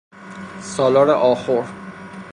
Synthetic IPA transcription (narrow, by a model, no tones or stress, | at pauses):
sɒːlɒːɾeʔɒːxoɾ